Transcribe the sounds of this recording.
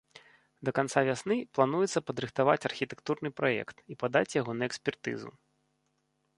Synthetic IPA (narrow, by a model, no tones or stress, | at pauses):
d̪ɐkant̪savʲasnɨplˠanujɛt̪sːɐpɐd̪ɾɨxt̪avat͡sʲɐrxʲit̪ɛ̥kt̪urnɨpɾajɛ̰kt̪ipad̪at͡sʲjaɣɔnɐɛksʲpʲɛrt̪ɨ̰zṵ